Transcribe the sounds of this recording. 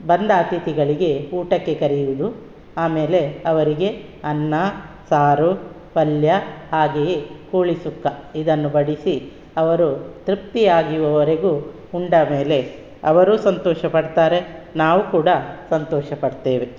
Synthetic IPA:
bɐnd̪aːt̪it̪iɡɐɭiɡe̞uːʈɐkːe̞kɐɾijuud̪u | aːme̞ːle̞ɐʋɐɾiɡe̞ | ɐnːɐ | saːɾu | ʋɐljɐɦaːɡekuːɭisukːɐid̪ɐnːubɐɽisi | ɐʋɐɾut̪ɾip̚t̪ijaːɡiʋɐʋɐɾeɡu | uɳɖɐme̞ːle̞ | ɐ̰ʋɐɾusɐnt̪ɔːʃɐpɐɽt̪aːɾe̞naːʋukuːɽɐsɐnt̪ɔːʃɐpɐɽt̪e̞ːʋe

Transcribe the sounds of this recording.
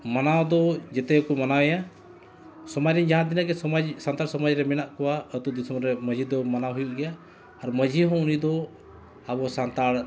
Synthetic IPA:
manawd̪ɔd͡ʒɛt̪ɛkumanawja | sɔmad͡ʒɾɛɲd͡ʒaɦãd̪inaɡɛad͡ʒsant̪aɽsɔmad͡ʒɾɛmɛnaʔkɔwaət̪uʔd̪isɔmɾɾɛməd͡ʒʱid̪ɔmanaɦujuʔɡɛjaː | ɾməd͡ʒiɦɔ̃unid̪ɔ | abɔsant̪aɽ

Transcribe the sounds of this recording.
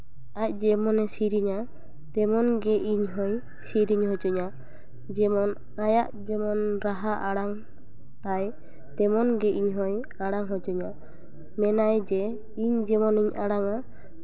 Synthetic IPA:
ac̚ˀd͡ʒɛmɔnɛsiɾiɲa | t̪ɛmɔnɡɛʔiɲɦɔj | siɾiɲhɔd͡ʒɔɲa | d͡ʒɛmɔn | ajaʔd͡ʒɛmɔnɾaɦaʔaɽaŋ | t̪aj | t̪ɛmɔnɡɛʔiɲɦɔj | aɽaŋɦɔd͡ʒɔɲa | mɛnajd͡ʒɛ | iɲd͡ʒɛmɔniɲaɽaŋa

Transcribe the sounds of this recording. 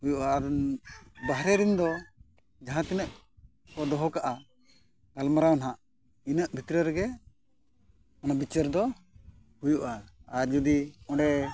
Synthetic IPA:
hujuʔaːɾ | baɦɾɛɾind̪ɔ | d͡ʒaɦãt̪inəʔ | kɔd̪ɔɦɔkaʔa | ɡalmaɾawnɦãʔ | inəʔbʱit̪ɾəɾɛɡɛ | anabit͡ʃəɾd̪ɔ | hujuʔaːɾd͡ʒɔd̪iɔ̃ɖɛ

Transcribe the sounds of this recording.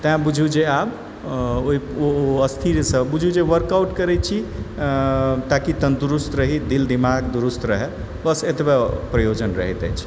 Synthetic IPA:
t̪əɦbud͡ʒʱud͡ʒeab | oɦioəst̪ʰiɾsəbud͡ʒʱud͡ʒeʋəɾkawʈkəɾɛt͡ʃʰi | t̪akit̪ənd̪uɾust̪ɾəɦid̪ild̪imaɡd̪uɾust̪ɾəɦɛ | bəset̪bepɾəjod͡ʒənɾəɦit̪ə̰jt͡ʃʰ

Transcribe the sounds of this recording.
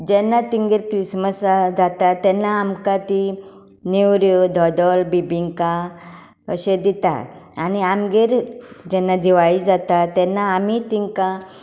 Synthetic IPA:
d͡ʑɛnːat̪iŋɡeɾkɾisməsd͡zat̪at̪ɛnːaːmkat̪i | niwɾjod̪ʱɔd̪ɔlbibiŋka | əɕed̪it̪a̰aniamɡeɾd͡ʑɛnːad̪iʋaɭiːd͡zat̪at̪ɛnːaːmit̪iŋka

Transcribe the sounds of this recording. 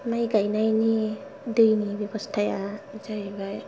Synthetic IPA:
majɡajnajni | dɯjnibebɔstʰajazajbaj

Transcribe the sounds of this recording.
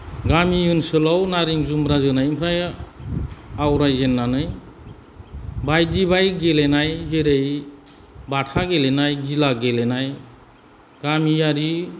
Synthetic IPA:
ɡamijunsɯlɔwnaɾiŋzumɾazɯnajmpʰɾaj | awɾajzenːanɯj | bajd̪ibajɡelenajzeɾej | baʈʰaɡelenajd͡ʒilaɡelenaj | ɡ̥amiaɾi

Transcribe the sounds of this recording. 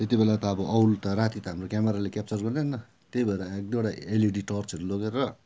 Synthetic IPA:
t̪et̪ibelat̪ʌʌbʌʔʌwlt̪ʌɾat̪it̪ʌɦamrokʲameɾalekʲap̚t͡sʌrɡʌrneɦnːʌ | t̪ebʌeɾaek̚d̪oɽaeliɖiʈʌrt͡sʌɾuloɡeɾʌ

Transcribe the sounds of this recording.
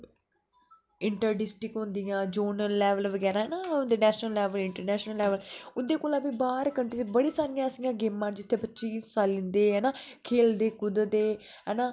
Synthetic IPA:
ɪɳʈəɾɖɪsʈɾɪkɦʊnd̪ijãːd͡ʒoːnəːɛːʋəlʋəɡɛːɾaːɦɛːnaːd̪eːnɛːʃnəlːɛːʋəlɪɳʈəɾnɛːʃnəlːɛːʋəlʊd̪eːkoːlãːbiːbaːɾkəɳʈiːt͡ʃbəɽiːsaːɾɪjãːəsɪjãːɡeːmːãːnd͡ʒɪt̪ʰːeːpətːʃiːssaːlːɪ̃nd̪eːɦɛːnaːkʰeːld̪eːkʊd̪d̪eː | ɦɛːnaː

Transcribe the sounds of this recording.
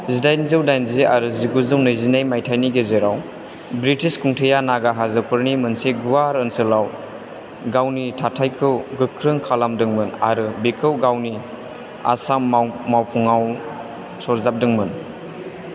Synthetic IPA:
zidajnzɯwdajnzeʔaɾɯziɡuzɯwnɯjzinajmajtʰajniɡezeɾaw | bɾitʰiskʰuŋtʰejanaɡaɦazɯpɯɾnimɯnseɡuwaɾɯnsɯlaw | ɡawnitʰatʰajkʰɯwɡɯkʰɾɯŋkʰalamdɯŋmɯna̰ɾɯbikʰɯwɡawni | a̰sammawpʰuŋaw | sɔɾzap̚dɯŋmɯn

